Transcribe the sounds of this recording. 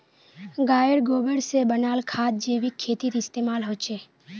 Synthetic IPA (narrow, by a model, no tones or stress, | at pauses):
ɡaːjəɽɡobəɽsebənaːlkʰaːd̪̚d͡ʒeʋikʰːeːt̪it̪iːst̪emaːlɦot͡ʃʰe